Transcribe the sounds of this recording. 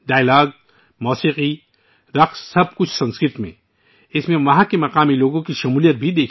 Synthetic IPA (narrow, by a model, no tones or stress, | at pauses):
ɖaːjlaːɡ̚ | mɔːsiːqi | ɾɐqssɐb̚kʊt͡ʃʰsɐ̃nskɾɪɾt̪mḛ̃ | ɪsmẽʋɐɦãkemɐqaːmiloːɡõkiʃɐmuːlijət̪̚bʱid̪eːkʰ